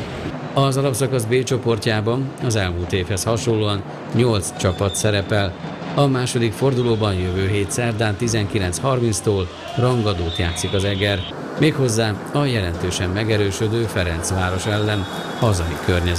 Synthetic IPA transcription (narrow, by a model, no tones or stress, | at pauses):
ɒzɒlɒpsɒkɒzbeːt͡ʃo̞po̞rcaːbɒnɒzɛlmuːlt̪eːfhɛshɒʃo̞nloːɒn | ɲo̞lt̪st͡ʃɒpɒt̪sɛɾɛpɛl | ɒmaːʃo̞d̪ikfo̞rd̪uloːbɒnjøvøːɦeːt̪sɛrd̪aːnt̪izɛŋkilɛnshɒrminst̪oːl | rɒŋɡɒd̪oːt̪jaːt̪sikɒzɛɡɛr | meːkho̞zːaː | ɒjɛlɛnt̪øːʃɛmːɛɡɛɾøːʃød̪øːfɛɾɛnt̪sʋaːɾo̞ʃɛlːɛn | hɒzɒjikørɲɛz